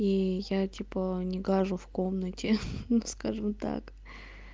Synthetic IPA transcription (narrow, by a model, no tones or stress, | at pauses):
ijatʲipənʲɪɡaʐʊfkomnətʲɪnuskaʐɨmt̪a̰k